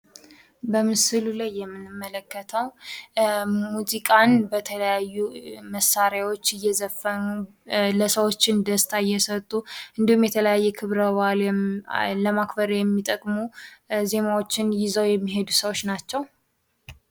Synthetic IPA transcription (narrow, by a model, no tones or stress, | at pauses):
bəmɨsɨlulajːɛmːɨnːɨmːələkːət̪ʰəw | muzikʼanbət̪ʰələjajːuməsːaɾjawo̞t͡ʃːɨjːɛzəfːənu | ləsəwo̞t͡ʃːɪnd̪əst̪ʰaɪjːɛsət̪ʼːuʔɨnd̪ihumjɛt̪ʰələjajːɛkʰɨβɾəwal | ləmakbəɾjɛmːit̪ʼəkʼmuze̞nawo̞t͡ʃːɪnjɪzəwjɛmːiɦe̞d̪usəwo̞t͡ʃːnat͡ʃːɛw